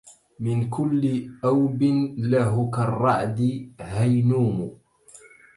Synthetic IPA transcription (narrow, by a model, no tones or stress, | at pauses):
mɪnkʊlːɪʔawbɪnlaɦʊkarˤːɑʕd̪ɪhajnuːmʊ